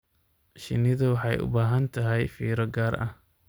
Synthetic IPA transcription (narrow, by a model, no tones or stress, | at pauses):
ʃɪ̰nɪðɐwɑħɑjʔʊ̰baːɦɐnt̪ʰɐɦɛjfiːɾɐɡaːrʔɐ̰h